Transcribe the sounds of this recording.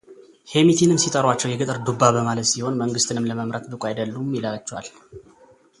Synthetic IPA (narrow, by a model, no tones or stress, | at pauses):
he̞mit̪ʰinɨmsit̪ʼəɾwat͡ʃːɛwjɛɡɨt̪ʼɨɾd̪ubːaβəmalət̪siho̞nməŋɡɨst̪ʰɨnɨmləməmɾət̪bɨkʼʷajd̪əlːumːilat͡ʃːwal